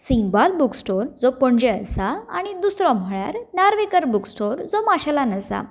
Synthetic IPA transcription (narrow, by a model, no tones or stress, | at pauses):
sĩŋɡbalbuksʈoɾd͡zɔpəɳd͡ʑeəsaaɽ̃id̪usɾɔ̃m̤ʱəɭja̰ɾnaɾʋekəɾbuksʈoɾd͡zɔmaɕalanəsa̰